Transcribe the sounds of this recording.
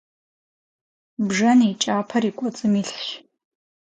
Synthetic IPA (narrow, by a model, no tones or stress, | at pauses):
bʐɐniːt͡ʃʼaːpʰɐriːkʷʼɔt͡sʼɨmiːɬħɕ